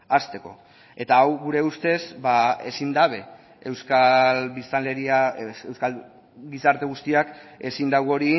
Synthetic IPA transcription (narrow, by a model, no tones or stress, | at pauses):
ast̪e̞ko̞̰ | e̞t̪aːwɣuɾe̞ust̪e̞sbae̞sind̪aβe̞ | ewskalβist̪aleɾiaewskal | ɡisaɾt̪e̞ɣ̞ust̪iake̞sind̪awɣo̞ɾi